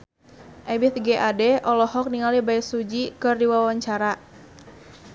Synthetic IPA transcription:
ʔɛbɪθɡeʔadɛʔɔlɔhɔk̚niŋalibaɛsud͡ʒikɨrdiwawaɲt͡ʃaɾa

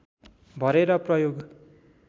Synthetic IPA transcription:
bʱʌɾeɾʌprʌjoɡ

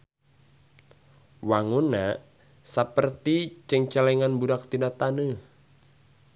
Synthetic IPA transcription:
waŋunːaʔ | sapərt̪it͡ʃəŋt͡ʃalɛŋanbudak̚t̪inat̪anə

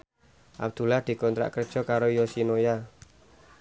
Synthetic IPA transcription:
ʔa̰b̚d̪̥ṳlahd̪̥i̤kɔnt̪ɾa̰ʔkərd̥ʒ̥ɔ̤kaɾojɔsinoja

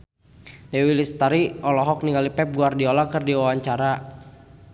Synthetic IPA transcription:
dɛwilist̪aɾiɔlɔɦɔk̚niŋɡalipɛp̚ɡuardiɔlɔkɨrdiwawaɲt͡ʃaɾa

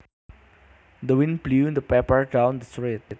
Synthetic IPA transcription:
d̪əwɪ̃nflũnd̪əpɛpəɹdãʊ̃nd̪əstɹet̪̚

